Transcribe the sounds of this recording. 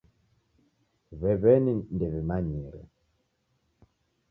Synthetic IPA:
βɛβɛnin̩dɛβemaɲiɾɛ̰

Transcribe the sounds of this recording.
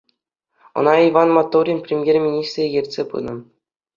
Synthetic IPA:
ɤ̰̆nɑiʋɑnmɑt̪ːoɾʲinʲpʲrʲemʲjerʲmʲinʲist̪rʲejɘ̆rʲtʲsʲepɯ̰nɤ̆

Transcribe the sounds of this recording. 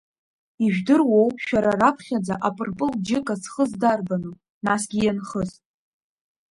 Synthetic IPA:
iʒᶣdɨrwowʼʃᶣaɾarapʰχʲad͡zaʔapʼɨrpʼɨld͡ʒɪkʼazχəzdarbanu | nasɡʲijanχəztʼ

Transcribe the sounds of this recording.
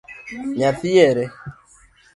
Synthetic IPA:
ɲafijeɾe

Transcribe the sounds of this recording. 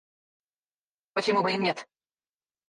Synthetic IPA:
pət͡ɕɪmubəimnʲet̪

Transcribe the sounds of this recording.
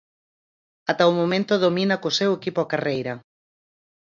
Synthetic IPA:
at̪aumomẽnt̪ʊðominɐkosewekipoakarejɾɐ

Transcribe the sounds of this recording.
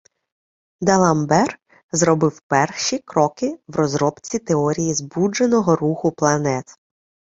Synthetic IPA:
d̪ɐlˠɐmbɛr | zɾɔbɪwpɛrʃikɾɔkɪwrɔzɾɔpt͡sʲit̪eɔɾʲijizbud͡ʒenɔɦɔruxʊplˠɐnɛt̪

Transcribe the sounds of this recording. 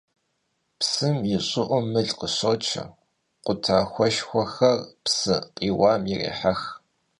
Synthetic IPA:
psɨmjɪɕʼʊʔʷʊmɨɮʼqəɕot͡ʃʰɐ̰ | qʷʊtʰaːxʷɔʃxʷɔxɐrpsɨqʼiːwaːmjɪrḛːħax

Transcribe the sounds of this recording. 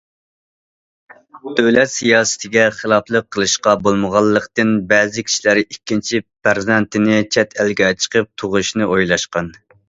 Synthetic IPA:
d̪ølɛt̪sijɑːsɨ̥t̪ʰɪɡʲɛχəlˠɑflˠəqʰːəlˠɨʃqɑbolˠməʁɑlˠːəqt̪ɨnbɛːzɪkʲʰi̥ʃlæɾɪikʲːint͡ʃʰipæɾzɛnt̪ɪnɪt͡ʃʰɛt̪ʰælɡʲɛt͡ʃʰə̥qʰəp̚t̪ʰoʁʊʃnɨʔojlˠɑʃqɑn

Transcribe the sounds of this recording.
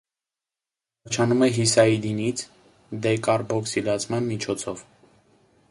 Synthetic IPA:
ɑɾt͡ʃʰɑnumɛɦisɑid̪init͡sʰ | d̪ɛkɑɾbɔksilɑt͡sʰmɑnmit͡ʃʰɔt͡sʰɔv

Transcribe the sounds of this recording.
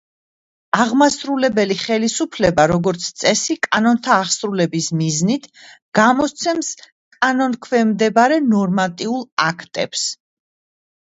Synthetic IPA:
aʁmasɾulɛbɛliχɛlisupʰlɛbaɾɔɡɔɾt̪sʰt̪sʼɛsikʼanɔnt̪ʰaːχsɾulɛbismiznit̪ʰɡ̥amɔst̪sʰɛms | kʼanɔnkʰvɛmd̪ɛbaɾɛnɔɾmat̪ʼiulˠakʰt̪ʼɛ̰ps

